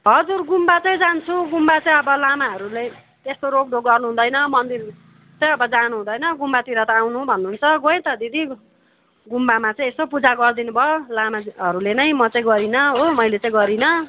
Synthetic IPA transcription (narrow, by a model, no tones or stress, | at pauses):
ɦʌd͡zurɡumbat͡saĩd͡zant͡sʰuɡumbat͡saĩʌbʌlamaɦʌɾule | t̪est̪oɾok̚ɖʱoɡʌrnuɦũd̪ʌjnʌmʌnd̪ir | t͡sãĩʌbʌd͡zanuɦũd̪ʌjnʌɡumbat̪iɾʌt̪ʌawnũbʱʌnːuɦːnt͡sʰʌɡoẽt̪ʌd̪id̪i | ɡumbamãt͡sãĩest̪opud͡zaɡʌrd̪inubʱʌolamaɦʌɾulenʌj̃mʌt͡saĩɡʌɾinʌɦomʌjlet͡sãĩɡʌɾinʌ